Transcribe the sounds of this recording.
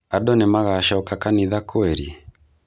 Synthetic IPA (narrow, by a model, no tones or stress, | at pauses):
aɗɔnemaɣaʃaɔkakaniðakoɛɾi